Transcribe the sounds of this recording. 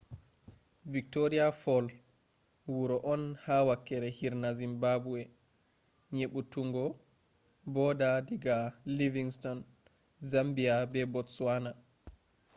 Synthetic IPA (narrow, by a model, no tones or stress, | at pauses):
vik̚toɾiafɔl | wuɾɔʔɔnhawakːɛɾɛhiɾnazimbabuɛ | ɲeɓutuŋɡɔ | bɔdadiɡaliviŋstɔn | zambijabɛbɔtswana